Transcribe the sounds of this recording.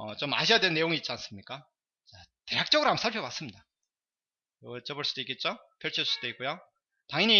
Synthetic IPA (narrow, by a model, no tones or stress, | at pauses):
ʌt͡ɕoma̰ɕʰijadwe̞nːe̞joŋiːt̚t͡ɕ͈ians͈ɯmɲik͈a | t͡ɕate̞ɾjak̚t͡ɕ͈ʌɡɯɾoɦamsʰaɭpʰjʌbas͈ɯmɲida | jʌɡt͡ɕ͈ʌboɭs͈ud̥oik͈et̚t͡ɕ͈o | pʰjʌɭt͡ɕʰis͈ud̥̪oik͈ujo | taŋiɲi